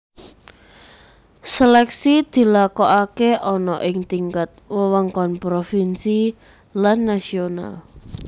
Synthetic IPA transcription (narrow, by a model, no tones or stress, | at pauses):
selɛksid̪̥i̤lakɔʔakeʔɔnɔʔɪŋt̪iŋkat̪̚wəwaŋkɔnpɾofinsi | lanːasiona̰l